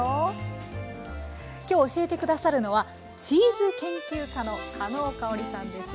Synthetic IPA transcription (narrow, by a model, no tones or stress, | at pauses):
kʲo̞ːoɕie̞t̪e̞kɯ̟d̪asaɾɯ̟no̞βa | t͡ɕiːzɨkẽ̞ŋkʲɨːkano̞kʰano̞ːkaoɾʲisãnd̪e̞s